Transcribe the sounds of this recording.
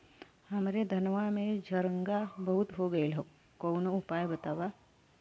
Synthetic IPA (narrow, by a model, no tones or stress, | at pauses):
hɐmɾed̪ʱɐnʋamẽd͡ʒʱɐɾə̃ŋɡabɐɦʊt̪ɦoɡɐelɦo | koːnoʊpaːjbɐt̪aːʋa